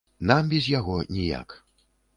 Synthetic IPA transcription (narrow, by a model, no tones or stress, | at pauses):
nambʲɛzʲjaɣɔnʲija̰k